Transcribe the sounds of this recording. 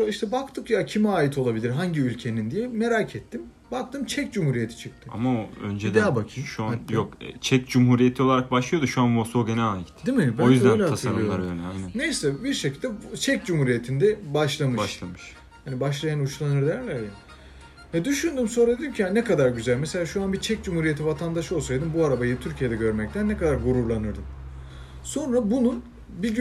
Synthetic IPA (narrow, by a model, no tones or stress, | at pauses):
iʃt̪ʰɛbakt̪ʰɯkjacʰimɛaːjit̪ʰo̞lˠabilʲiɾɦaɲɟiylʲcʰe̞nind̪ijɛmeɾacʰɛt̪ʰːim | bak̚t̪ʰɯmt͡ʃʰɛcd͡ʒumhuːɾije̞t̪ʰi̥t͡ʃʰɯk̚t̪ʰi̥a̰maoø̰nd͡ʒed̪aabacʰiʃuanjjokɛ̰t͡ʃʰɛcd͡ʒumɦuɾijet̪ʰio̞lˠaɾak̚baʃlˠɯjo̞d̪uʃuanbosoːɟenɛaːjit̪d̪imiabæojyzd̪ænlʲat̪ʰasɯanmˠaɾøjnɛajnnænnejsɛbiɾʃe̞cʰilʲd̪ɛt͡ʃʰɛc̚d͡ʒumhuɾijet̪ʰind̪ɛbaʃlˠamɯʃˠamɯʃ | hanibaʃlˠajanut͡ʃlˠanɯɾd̪jɾlʲæɾja | vɛd̪yʃynd̪yːmso̞nɾad̪d̪imcʰijanɛkad̪aɾɟyzælʲmɛse̞lʲaːʃuanbit͡ʃʰɛc̚d͡ʒumhuɾije̞t̪ʰivat̪ʰand̪aʃɯo̞lˠsajd̪ɯmbuaɾabajɯt̪ʰyɾcʰije̞d̪ɛɟø̞ɾmɛc̚t̪ʰænːɛkad̪aɾɡuɾuɾlˠanɯɾd̪ɯm | so̞nɾabunun | bi